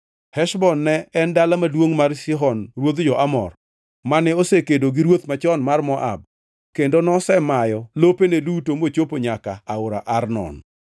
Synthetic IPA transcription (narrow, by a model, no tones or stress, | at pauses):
hɛʃbɔnːɛɛndalamadwoŋmarsɪɦɔnɾwod̪d͡ʒɔʔamɔ̰r | manɛosekedoɡiɾwot̪mat͡ʃɔnmarmɔʔa̰b̚ | kendonɔsɛmajɔlopenedutomot͡ʃopoɲaka̰aʊɾaʔarnɔ̰n